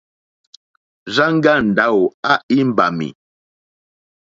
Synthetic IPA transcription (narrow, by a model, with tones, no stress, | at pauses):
za˦ŋ˦ɡa˦˨n̩˨da˦wo˨a˦i˦m̩˦ba̰˨mḭ˨